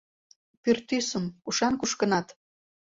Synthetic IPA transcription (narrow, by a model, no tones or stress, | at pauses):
pyrt̪ysəmkuʃɑnkuʃkə̆nɑt̪